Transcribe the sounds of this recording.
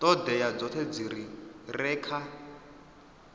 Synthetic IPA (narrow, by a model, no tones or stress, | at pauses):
t̪ʼɔd̪ɛjad͡zɔt̪ʰɛd͡ziɾirɛːkʰa